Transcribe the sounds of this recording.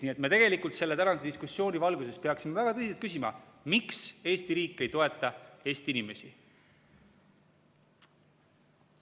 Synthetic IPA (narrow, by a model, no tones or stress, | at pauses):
niːe̞t̪me̞t̪e̞ɡe̞likˑult̪se̞lːe̞t̪ænɑnsed̪iskusːjo̞ːnʲivɑlɡus̬e̞spe̞ɑksimevæɡ̥ɑt̪ɤsiselt̪kys̬imɑ̰ | mikse̞ːst̪iɾiːkːˑe̞jt̪o̞e̞t̪ːˑɑe̞ːst̪iinime̞si